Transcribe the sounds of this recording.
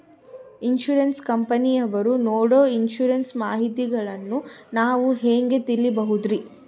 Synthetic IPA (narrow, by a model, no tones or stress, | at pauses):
inʃuɾɐnskɐmpɐnijɐʋɐɾunoːɽoːinʃuɾɐnsmaːɦit̪iɡɐɭɐnːunaːʋuɦeːŋɡe̞t̪ilːibɐɦud̪ɾi